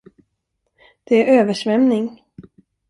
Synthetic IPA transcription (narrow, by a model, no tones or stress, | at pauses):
d̪̥ɛæɾøːvəʂvɛmnɪŋ